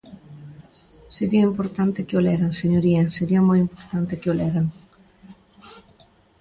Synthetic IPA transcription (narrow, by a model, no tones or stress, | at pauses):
seɾiɐimpoɾt̪ant̪ɪkɪolɛɾaŋseɲoɾiɐseɾiɐmojimpoɾt̪ant̪ɪkɪolɛɾaŋ